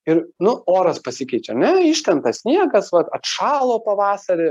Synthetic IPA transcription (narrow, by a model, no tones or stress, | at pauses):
ɪɾnʊoːɾɐspɐsʲɪkʲɛɪt͡ʃʲɛɐnʲɛɪʃt̪ʲɛnt̪ɐsʲnʲiɛɡɐsʋɐt̪ɐt̪ʃɑːlˠoːpɐʋɑːsɐɾʲɪ